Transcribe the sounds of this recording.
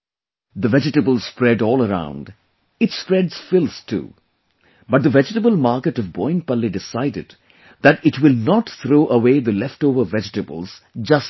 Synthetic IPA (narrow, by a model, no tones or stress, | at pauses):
ðəvɛd͡ʒɨʈɨbəl̩ˠspɹɛɾɔːlˠəɾã̰ʊ̃nd | ɨtspɹɛdz̥fɪlˠstʰṵː | bʌt̚d̪əvɛd͡ʒʈəbəl̩ˠmaɹkɨʈʌvbɔ̃ɪ̃npʌlidɪsaɪdɨ̰d̚ | ðɨtɪʈwɪlˠnɔtθɾoːʔəweːðəlɛfʈoʊvə˞vɛd͡ʒɨʈɨbə̰l̩ˠz̥d͡ʒʌs